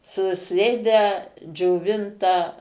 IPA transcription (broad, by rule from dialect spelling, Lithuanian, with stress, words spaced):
sʊˈsʲeːdʲæː d͡ʒʲoːˈʋʲɪntɑː